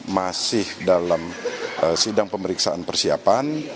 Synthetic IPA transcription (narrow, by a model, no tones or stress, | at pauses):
masɪhdalaməsidaŋpəməɾiksaanpərsia̰pan